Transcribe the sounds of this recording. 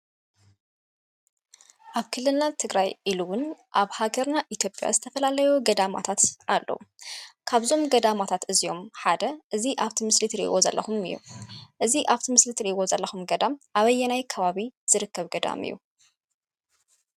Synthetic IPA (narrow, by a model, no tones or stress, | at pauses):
ʔaβkʰɨlːɨlnat̪ʰɨɡɾajʔiluwʊnʔaβhaɡɐɾnaʔit̪ʰjo̞pʼːja̰zɨt̪ʰɐfɐlalɐjuɡɐd̪ama̰t̪ʰat̪ʔalːɐ̰wukʰaβzo̞mɡɐd̪amat̪ʰat̪ɨzijo̞mħad̪ɐʔɨziʔaβt̪ʰimɨslit̪ʰɾḭʔwozɐ̰lːɐxumɨ̰jːṵʔɨziʔaβt̪ʰimɨslit̪ʰɾiʔiwo̞zɐlːɐxumɡɐd̪amʔaβɐjːɛnajkʰɐβaβiz̥ɨɾɨkːɐβɡɐd̪a̰mɨ̰jːṵ